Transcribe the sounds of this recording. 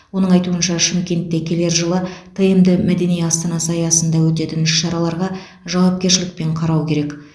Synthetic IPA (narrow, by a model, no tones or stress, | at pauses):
wo̞nəɴɑjt̪uənʃɑʃɪmkʲe̞nt̪ːe̞kʲʰe̞le̞ɾʒəlˠət̪ʰəjəmd̪əmæd̪e̞nijɑst̪ɑnɑsəɑjɑsənd̪ɑwɵt̪̬e̞t̪ɪnɪʃːɑɾɑlˠɑɾʁɑ | ʒɑwɑp̚kʲe̞ɾʃɪlɪk̚pe̞ɴqʰɑɾɑwkʲʰe̞ɾe̞k